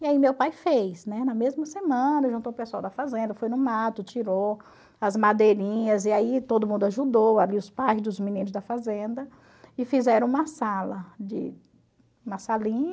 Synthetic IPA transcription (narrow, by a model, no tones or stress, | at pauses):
iaimewpajfejznɛnɐmezmɐsemɐ̃nɐʒũnt̪owpesuawd̪ɐfazẽnd̪ɐfojnʊmat̪ʊt͡ʃiɾo | ɐzmad̪eɾĩɲɐziait̪od̪ʊmũnd̪ʊaʒud̪owaliʊspajzd̪ʊzmĩnĩnʊzd̪ɐfazẽnd̪ɐ | ɪfizɛɾɐ̃ũmɐsalɐd͡ʒɪ̰ | ũmɐsalĩɲ